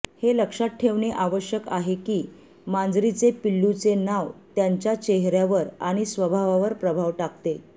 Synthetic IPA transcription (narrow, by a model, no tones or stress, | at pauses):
heləkʂaʈ̚ʈʰːeʋɳeʔaʋəɕjəkaɦekiː | mãnd͡zɾit͡sepilːut͡senaʋt̪jaɲt͡ɕjat͡ɕeɦɾjaʋəɾaɽ̃isʋəbʱaʋaʋəɾpɾəbʱaʋʈakt̪e